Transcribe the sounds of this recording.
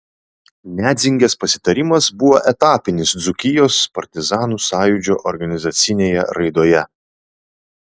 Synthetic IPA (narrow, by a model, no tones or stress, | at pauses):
nʲæːd̪zʲɪŋʲɡʲɛspɐsʲɪ̥t̪ɐɾʲɪmɐsbʊʋoːʔɛt̪ɑːpʲɪnʲɪsd̪zʊkʲɪjoːspɐɾʲt̪ʲɪzɑːnuːsɑːjʊd͡ʒʲoːʔɔɾɡɐnʲɪzɐt̪sʲɪnʲeːjɛ̰ɾɐɪd̪oːjɛ